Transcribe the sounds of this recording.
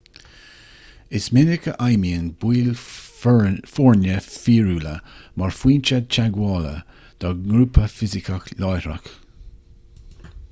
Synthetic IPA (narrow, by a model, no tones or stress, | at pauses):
ɪsmɪnɪkəʔajmiənb̥wiːl | fɔɹnəfiːɹuːləmaɹfwiːnt͡ʃad̪̚t͡ʃaɡwɔːlə̰ | d̪̥ɔɡɾuːpʰəfɪzɪkʰəklɔjɾɹa̰k